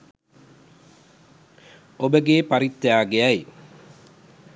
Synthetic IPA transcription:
obəɡeːpaɾit̪ːjaːɡeaj

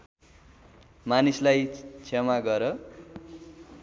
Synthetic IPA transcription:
manislajt͡sʰemaɡʌɾʌ

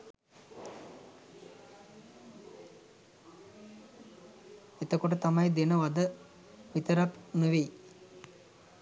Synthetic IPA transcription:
et̪ɐkːuʈut̪ɐmɐjd̪inɐʋɐd̪ə | ʋit̪ɐɾɐpnuʋej

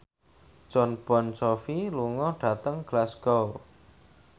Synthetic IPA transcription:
t͡ʃɔnb̥ɔnt͡ʃɔfiluŋɔɖ̥ä̤t̪əŋɡ̥lasɡ̥ɔw

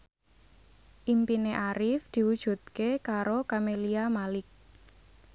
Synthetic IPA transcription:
ʔimpineʔaɾɪfd̪̥i̤wud̥ʒ̥ṳt̪̚kekaɾokameliamalɪk̚

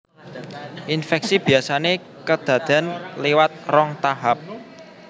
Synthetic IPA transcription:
ʔinfɛk̚sib̥i̤asane | kəd̪̥ä̤d̪̥anlewat̪̚rɔŋt̪aɦap̚

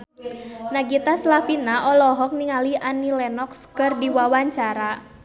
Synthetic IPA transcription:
naɡit̪aslafinaʔɔlɔɦɔk̚niŋaliʔanilɛnɔkskɨrdiwawaɲt͡ʃaɾa

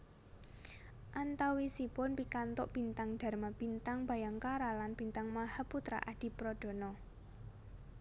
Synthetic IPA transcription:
ʔant̪awisipʊnpikant̪ʊʔb̥i̤nt̪aŋd̪̥a̤rmab̥int̪aŋb̥a̤jaŋkaɾalanb̥int̪aŋmahaput̪ɾa̰ʔad̪̥i̤pɾɔɖ̥ɔ̤nɔ

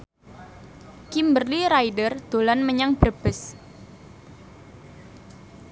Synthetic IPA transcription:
kimbərliɾajdərd̪̥olanməɲaŋbərb̥əs

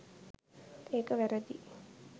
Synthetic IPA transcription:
eːkɐʋæɾɐd̪i

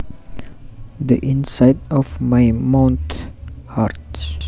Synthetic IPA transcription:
d̪əʔɪ̃nsaɪdɔvmaɪmãʊ̃nthaɾt

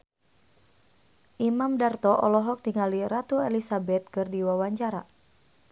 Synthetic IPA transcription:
ʔimamdart̪ɔʔɔlɔɦɔk̚diŋaliɾat̪uelisabɛt̪̚kɨrdiwawaɲt͡ʃaɾa̰

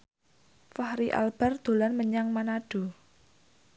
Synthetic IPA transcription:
fahɾiʔa̰lb̥a̤rd̪̥o̤lanməɲaŋmanaɖ̥ṳ

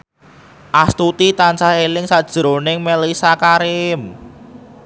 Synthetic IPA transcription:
ʔast̪ut̪it̪ant͡ʃahelɪŋsad̥ʒ̥ɾonɪŋmelisakaɾɪm

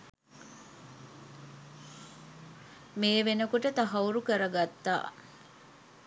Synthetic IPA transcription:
meːʋenəkuʈət̪ɐɦɐuɾukəɾɐɡat̪ːa̰ː

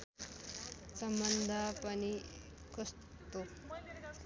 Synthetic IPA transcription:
səmbənd̪ʱapani | kʰəs | t̪o

